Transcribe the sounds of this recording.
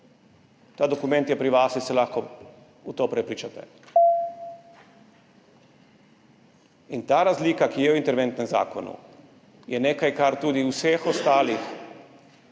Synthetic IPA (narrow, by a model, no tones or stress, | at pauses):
t̪aːd̪okumɛ̃nt̪jɛpɾiʋaːsisɛlaxko | ut̪oːpɾɛpɾiːt͡ʃat̪ɛ̰ | int̪aːɾazlikakijɛuint̪ɛɾʋɛnt̪nɛmza̰ːkonṵ | jɛnekajkaɾt̪uːd̪iusexost̪aːlix